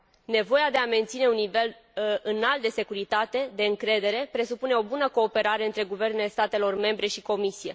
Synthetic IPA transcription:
ne̞vo̞jad̪e̞ame̞nt̪sine̞unːive̞l | ɨnalt̪̚d̪e̞se̞kuɾit̪at̪e̞d̪e̞ɨŋkɾe̞d̪e̞ɾe̞pɾe̞supune̞o̞bunəko̞ːpe̞ɾaɾe̞ɨnt̪ɾe̞ɡuve̞rne̞le̞st̪at̪e̞lo̞rme̞mbɾe̞ʃiko̞misije̞

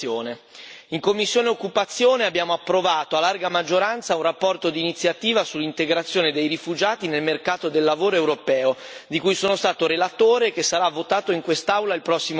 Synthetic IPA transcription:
oːne | iŋkomːisːjoːneokːupat̪sːjoːneabjaːmoapːɾovaːt̪oalːarɡamad͡ʒːoɾant̪saunrapːɔrt̪od̪init̪sːjat̪iːvasulːint̪eɡɾat̪sjoːned̪ejrifud͡ʒaːt̪inelmerkaːt̪od̪elːavoːɾoewɾopɛːod̪ikujsoːnost̪aːt̪oɾelat̪oːɾekesːaɾavːot̪aːt̪oiŋkwest̪awlailpɾɔsːim

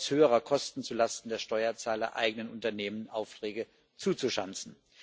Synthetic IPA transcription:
shøːəʁɐkʰɔstn̩t͡sulastn̩deːɐʃtɔʏɐt͡saːlɐ̰ʔa̰ɪɡənənʊntɐneːmənaʊftʁ̥ɛːɡə | t͡suːt͡suʃant͡sn̩

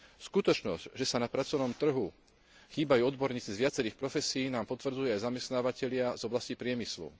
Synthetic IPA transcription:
skut̪ɔt͡ʃnɔzɟʒɛsanapɾat͡sɔʋnɔmt̪r̩ɦu | xiːbajuɔd̪bɔɾɲiːt͡sizʋɪat͡sɛɾiːxpɾɔfɛsiːnaːmpɔt̪ʋr̩d͡zujuajzamɛst̪naːʋacɛʎɪazɔblascipɾɪɛmislṵ

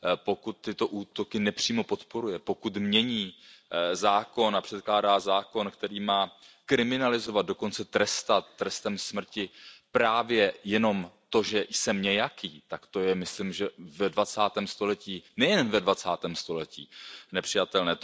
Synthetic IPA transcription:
po̞kut̪ːɪt̪o̞ʔuːt̪o̞kɪnɛpr̥iːmo̞po̞t̪po̞ɾujɛpo̞kut̪mɲɛɲiːzaːko̞napr̥ɛt̪̚klaːdaːzaːko̞nkt̪ɛɾiːmaː | kɾɪmɪnalɪzo̞vad̪̚do̞ko̞nt͡sɛt̪ɾɛst̪at̪ːɾɛst̪ɛmsmr̩cɪpɾaːvjɛjɛno̞mt̪o̞ʒɛjsɛmɲɛjakiːt̪akt̪o̞jɛmɪslɪmʒɛvɛdvat͡saːt̪ɛːmst̪o̞lɛciːnɛjɛnvɛdvat͡saːt̪ɛːmst̪o̞lɛcḭːnɛpr̝̥ɪjat̪ɛlnɛːt̪

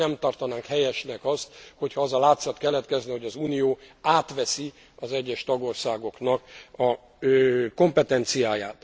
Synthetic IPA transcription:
ɛmt̪ɒrt̪ɒnaːŋkhɛjɛʃnɛkɒst̪ho̞cʰhɒɒzɒlaːt̪sɒt̪kɛlːɛt̪kɛzniho̞ɟɒzuːnijoːaːt̪ʋɛsi | ɒzɛɟːɛʃt̪ɒɡo̞rsaːɡo̞knɒkɒ | ko̞mpɛt̪ɛnt̪sijaːjaːt̪

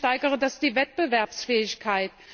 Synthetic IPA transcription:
taɪɡəʁədasd̥iːvɛt̚b̥əvɛɐpsfɛːɪçkʰaɪt

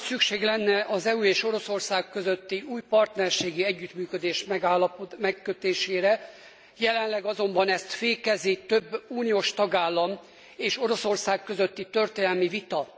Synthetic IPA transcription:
sykʃeːɡlɛnːɛʔɒzɛueːʃo̞ɾo̞so̞rsaːkkːøzøt̪ːiuːjpɒrt̪nɛrʃeːɡiɛɟːyt̪myːkød̪eːʃmɛɡaːlɒpmɛkːøt̪eːʃeːɾɛ | jɛlɛnlɛɡɒzo̞mbɒnɛst̪feːkɛzit̪øbːuːnioːʃt̪ɒɡaːlːɒm | eːʃo̞ɾo̞so̞rsaːkːø̞zø̞t̪ːit̪ø̞rt̪eːnɛlmivit̪ɒ

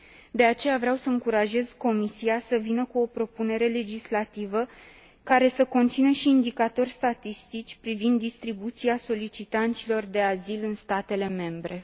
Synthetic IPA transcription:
d̪e̞at͡ʃe̞javɾeawsəɨŋkuɾaʒe̞z̥ko̞misiasəvinəkuo̞pɾo̞pune̞ɾe̞le̞d͡ʒislat̪ivə | kaɾe̞səko̞nt̪sinəʃiːnd̪ikat̪o̞rʲst̪at̪ist̪it͡ʃʲpɾivind̪ːist̪ɾibut̪siaso̞lit͡ʃit̪ant̪silo̞rd̪e̞azilɨnst̪at̪e̞le̞me̞mbɾe̞

